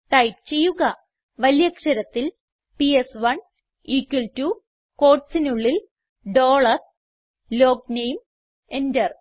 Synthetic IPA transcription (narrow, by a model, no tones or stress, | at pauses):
ʈɐjp̚t͡ɕe̞jːuɣɐ | ʋɐljɐkʂɐɾɐt̪ːil | piesʋɐɳ | iːkːwɐltuː | ko̞ːrʈsinuɭːil | ɖoːɭɐr | lo̞ːk̚nejm | endɐr